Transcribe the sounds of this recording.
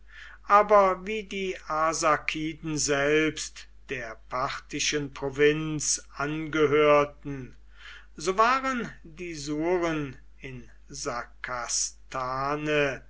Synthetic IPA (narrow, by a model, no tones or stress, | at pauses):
ʔaːbɐviːdiːʔazakʰiːdn̩zɛlpst | d̥eːɐpʰaʁtɪʃənpʁ̥ovɪnt͡sʔanɡəɦøːɐɐtn̩ | zoːvaːʁən | diːzuːʁən | ɪn | zakʰastʰaːnə